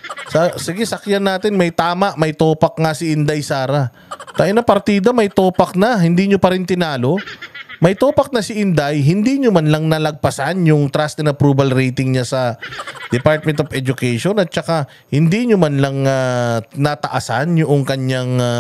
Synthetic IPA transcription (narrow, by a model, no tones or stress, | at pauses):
sɐsɪɡɛsɐkjanːaːt̪ɪnmɐjt̪aːmɐʔmɐjt̪oːpɐk̚ŋɐsɪʔɪnd̪ajsaːɾɐ | t̪ɐʔɪnɐpɐɾt̪iːd̪ɐmɐjt̪oːpɐk̚nɐɦɪnd̪iːɲopɐɾɪnt̪ɪnaːlo̞mɐjt̪oːpɐk̚nɐsɪʔɪnd̪ajɦɪnd̪iɲʊmanlɐŋnɐlɐɡ̚pɐsanjʊŋt̪ɾast̪ɛnɐpɾuːbɐlɾɛjt̪ɪŋɲasɐd̪ɛpaɾt̪̚mɛnt̪ofɛd͡ʒʊkɛjʃonɐt̪̚t͡ʃɐka | hɪnd̪iɲʊmɐnlɐŋanɐt̪ɐʔɐsa̰njʊʔoŋkɐɲjaŋ